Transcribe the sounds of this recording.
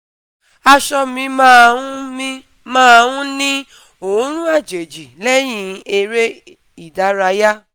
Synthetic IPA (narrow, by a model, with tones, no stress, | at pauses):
a˧ʃɔ˧mĩ˧mã˦˧ũ˦mi˦ | mãː˦a˧wũ˦nĩ˦ | õ˨˦ɾ̃ũ˦a˦˨d͡ʒe˨d͡ʒi˨lɛ˦j̃ĩ˧e˧ɾe˦ | i˦˨da˨˦ɾa˧ja˦